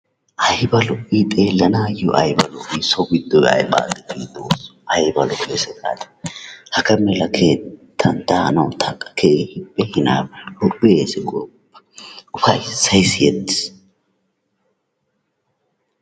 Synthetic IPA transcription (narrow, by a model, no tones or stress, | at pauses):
ʔɐjbɐlɔpːiːt̪ʼeːlːɐnaːjɔʔɐjbɐlɔʔisɔɡɪd̪ːɔjɐ̰jba̰ːdɛt̪id̪oːsɐjbɐlɔkesɛkʼa̰ːt̪ɛ̥hɐkɐmɛlɐkʰeːt̪ʰːɐnt̪ɐnɐwt̪ʰɐkʼːɐ̥kʰehɪpʼːɛhɪna̰ːblɔpːɪesɪkʼɔpːɐ̥ʊfɐjsɐjsjɛd̪ɪ̥s